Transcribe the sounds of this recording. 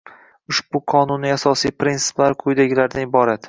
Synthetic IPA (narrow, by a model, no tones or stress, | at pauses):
ʊʃbʊqʰɒnʊniasɒsijpɾintsɪ̥plaɾqʰʊjd̪aɡʲɪlaɾd̪anɪbɒɾat̪